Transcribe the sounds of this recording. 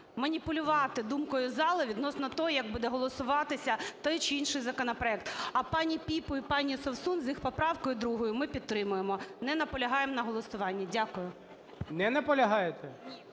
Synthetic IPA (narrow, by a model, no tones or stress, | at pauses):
mɐnʲipʊlʲʊʋɑt̪ɪd̪umkɔjʊzɑlˠɪʋʲid̪nɔsnɔt̪ɔjjɐɡ̚bud̪ɛɦɔlˠɔsʊʋɑt̪ɪsʲɐt̪ɔjt͡ʃɪinʃɪjzɐkɔnɐpɾɔɛk̚t̪ɐpɑnʲipʲipɔipɑnʲisɔwsunzjixpɔpɾɑʋkɔjʊd̪ɾuɦɔjʊmɪpʲid̪t̪ɾɪmʊjemɔnɛnɐpɔlʲɐɦɑjemnɐɦɔlˠɔsʊʋɑnʲːɐdʲakʊjʊ | nɛnɐpɔlʲɐɦɑjet̪ɛ